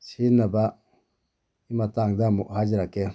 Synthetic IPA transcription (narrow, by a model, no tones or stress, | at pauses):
sinaba | imataŋdamuʔhad͡ʒɾakɛ